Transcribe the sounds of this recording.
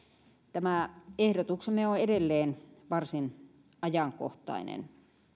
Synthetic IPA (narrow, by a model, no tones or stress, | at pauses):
t̪æmæˑehdot̪uksemeoeɾelːeːnʋɑrsin | ʔɑjɑŋko̰ht̪ˑɑ̰inḛn